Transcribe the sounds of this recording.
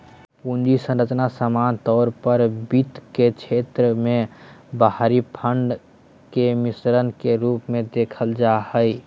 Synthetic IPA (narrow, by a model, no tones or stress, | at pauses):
pund͡ʒisə̃nɾət͡ʃnasəmant̪ɔɾpəɾbit̪ket͡ʃʰet̪ɾəmebəɦɾipʰəɳɖ | kemisɾənkeɾupmed̪ekʰəld͡ʒahəj